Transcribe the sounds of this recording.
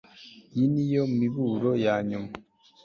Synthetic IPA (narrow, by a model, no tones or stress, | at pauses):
jinijomiβuɾojaːɲuma